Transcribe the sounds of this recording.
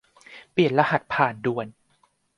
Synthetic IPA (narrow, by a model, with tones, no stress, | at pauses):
pli˨˩ən̚la˧ha˨˩t̪̚pʰaː˨˩ndu˨˩ən